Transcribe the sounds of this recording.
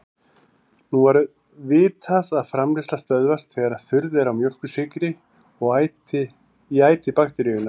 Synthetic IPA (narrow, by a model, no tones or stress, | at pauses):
nuvaɾ | vɪːt̪ʰaðaðfɾamlɪslast̪œðvast̪θɛɣaɾaðθʏɾðɛɾawmjœr̥kʏsɪːcɾɪ | ɔɣ | ɪ | iaːjt̪ɪpakt̪ɛɾjʏʏna